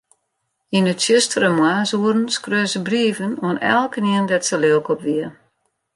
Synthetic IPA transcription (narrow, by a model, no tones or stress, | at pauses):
inətsjɪstərəmwaːsuəɾn̩skrøːzəbriəvənoənɛ̰lˠkəniəndɛtsəløəkʰɔpʋiə